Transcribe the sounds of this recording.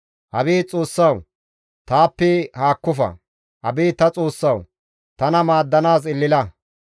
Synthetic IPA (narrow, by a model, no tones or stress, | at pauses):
hɐbiːt͡sʼoːsːɐw | t̪aːpːɛhaːkːʊfɐ̰ | hɐ̰biːt̪ɐt͡sʼoːsːɐw | t̪ɐnɐmaːd̪ːɐnaːs̬ɪlːɪlɐ